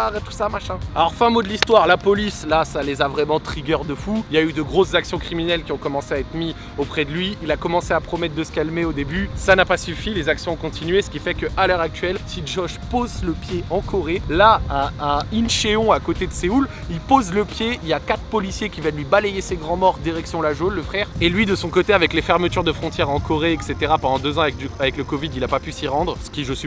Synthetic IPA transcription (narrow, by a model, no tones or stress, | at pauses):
aʁet̪u̥samaʃɛ̃alɔʁfɛ̃mod̪əlist̪waʁlapɔlislasalezavʁɛmɑ̃t̪χiɡʲœʁd̪əfuiljayd̪əɡʁoszaksjɔ̃kχiminɛlkʲiɔ̃kɔmɑ̃seaɛt̪χmi | opχɛd̪əlɥiːlakɔmɑ̃seapχɔmɛt̪̚d̪əsə̥kalmeod̪ebysanapasyfilezaksjɔ̃ɔ̃kɔ̃t̪inɥesə̥kʲifɛkəʔalœʁak̚t̪ɥɛlsiʒɔʒpozləpjeɑ̃kʰɔʁelaɛ̃ɛ̃inʃeɔ̃akot̪ed̪əseul | ilpozləpjeiljakat̪χpɔlisjekʲivɛllɥibalejeseɡʁɑ̃mɔʁd̪iʁɛksjɔ̃laʒonləfχɛʁelɥid̪əsɔ̃kot̪eavɛklefɛʁmət̪yʁd̪əfχɔ̃t̪jɛʁɑ̃kɔʁeɛkset̪eʁapɑ̃d̪ɑ̃d̪øzɑ̃avɛk̪avɛkləkɔvid̪ilapapysiʁɑ̃d̪ʁsə̥kʲiʒəsi